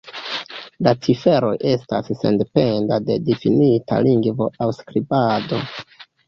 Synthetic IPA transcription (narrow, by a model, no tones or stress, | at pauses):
lat͡sife̞ɾo̞jʔe̞stasːe̞̰nde̞pe̞ndade̞difinita̰liŋɡvo̞ʔawskɾibado̞